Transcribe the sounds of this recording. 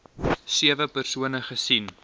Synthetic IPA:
siəvəpərsuənəχəsin

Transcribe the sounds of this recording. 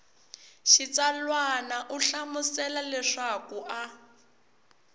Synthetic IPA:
ʃit͡salwanaʔuɬamusɛlalɛʂakuʔa

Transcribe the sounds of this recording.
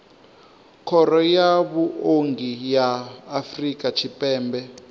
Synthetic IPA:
kʰɔɾɔjaβuoŋɡijaːfrikʼat͡ʃʰipʼɛːmbɛ

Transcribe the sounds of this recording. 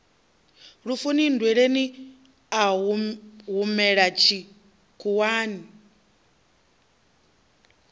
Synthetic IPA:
ɺufunindwɛɺeni | a | ɦumɛɺat͡ʃʰi | kʰuwaːni

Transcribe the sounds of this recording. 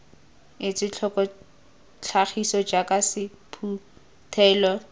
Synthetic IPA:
ɪt͡sʼɪt͡ɬʰɔkɔ | t͡ɬʰaχisɔd͡ʒakʼasɪpʰu | tʰɛːlɔ

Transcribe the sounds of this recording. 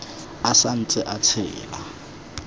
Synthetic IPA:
asan̩t͡sʼɪʔat͡sʰɪ̰ːla̰

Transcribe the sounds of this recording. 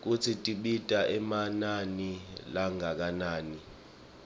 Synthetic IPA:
k̬ut͡sʰitʼiɓitʼaʔɛmananilaŋʱak̬anaːni

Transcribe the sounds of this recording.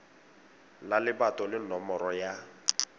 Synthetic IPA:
lalɪbatɔlɪnɔmɔɾɔja

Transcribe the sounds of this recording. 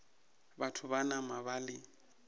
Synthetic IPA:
batʰʊbanamabalɪ

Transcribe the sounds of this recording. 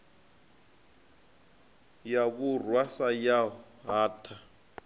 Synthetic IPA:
jaβurwasaja | ɦaːtʰa

